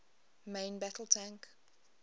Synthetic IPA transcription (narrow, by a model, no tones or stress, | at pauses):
mẽɪ̃nbætəl̩ˠtʰæ̃ŋk